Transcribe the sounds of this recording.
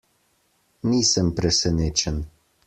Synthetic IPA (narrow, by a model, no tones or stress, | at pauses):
nisəmpɾɛsɛnet͡ʃɛn